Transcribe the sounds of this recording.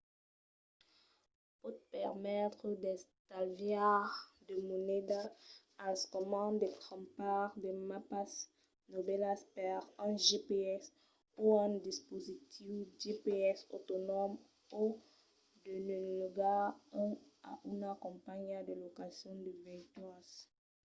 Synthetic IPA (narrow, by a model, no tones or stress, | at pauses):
pot̪pɛʁmɛt̪χəd̪ɛ̃st̪alvjaʁd̪əmoned̪a | ãskɔmɑ̃d̪et̪ʁɑ̃paʁd̪əmapas | nobɛlaspɛʁɛ̃ʒepeɛs | uɛ̃d̪ispozit̪ʰivdepeɛso̰t̪ɔnɔm | u | d̪ənønlɔɡã | a̰ynakɔ̃paɲad̪əlɔkasjɔ̃d̪əvɛ̃t̪was